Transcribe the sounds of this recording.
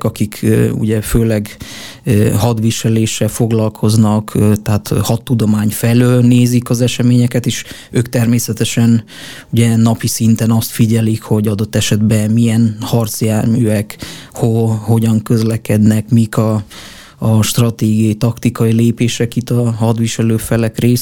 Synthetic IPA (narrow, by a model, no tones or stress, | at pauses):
kɒkikṵɟɛføːlɛɡ | ɦɒd̪ʋiʃɛleːʃːɛlfo̞ɡlɒlkʰo̞znɒkt̪ɛɦat̪hɒt̪ːud̪o̞maːɲfɛløːlneːzikɒzɛʃɛmeːɲɛkɛt̪eːʃ | øːkt̪ɛrmeːsɛt̪ɛʃɛn | uɟɛnɒpisint̪ɛnɒst̪fiɟɛlikho̞ɟɒd̪o̞t̪ːɛʃɛd̪bɛmijɛnhɒrt̪siaːrmyːɛkhoho̞ɟɒŋkø̞zlɛkɛd̪nɛkmikɒ | ʃt̪rɒt̪eːɡijɒjit̪ɒkt̪ikɒileːpeːʃɛkit̪ːɒhɒd̪ʋiʃɛløːfɛlɛkreːs